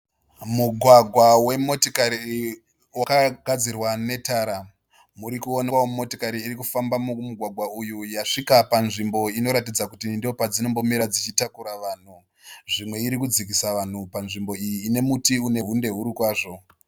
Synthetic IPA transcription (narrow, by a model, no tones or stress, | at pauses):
muɡʱwaɡʱwawe̞mo̞tokaɾi | wakaɡʱad͡zirwane̞taːɾa | muɾikuo̞naomo̞tokaɾiːɾikufambamumuɡʱwaɡʱwaujujaʂikapanʐimbo̞ino̞ɾatid͡zakutindiopad͡zino̞mbo̞miɾad͡zit͡ʃitakuɾaʋaːn̤u | ʐimwe̞iɾikud͡zik̬isaʋan̤upanʐimbo̞ijiːne̞mutiune̞ɦunde̞ɦuɾikwaːʐo̞